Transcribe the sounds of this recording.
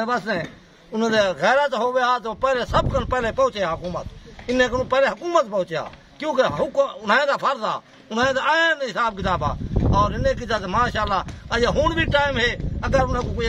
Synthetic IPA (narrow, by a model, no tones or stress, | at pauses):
ebəsneː | ʊnẽːd̪eɣɛːɾat̪ɦoːʋeat̪opɛːlesəbkənpɛːleːpə̃ʊt͡ʃeaːɦʊkuːmət̪ɪnẽːknũpɛːleːɦʊkuːmət̪pəʊt͡ʃːja̰ː | kjõːkeɦʊkʊnãːẽːd̪aːpʰəɾd̪a̰ː | ʊnaːẽd̪aaẽnɦɪsaːb̚kɪt̪aːba̰ːɔːɾɪneːk̬it̪aːt̪ːmaːʃaːlːaːjaɦʊɳbʱiːʈaːɪmɦeːəɡəɾʊnẽːkok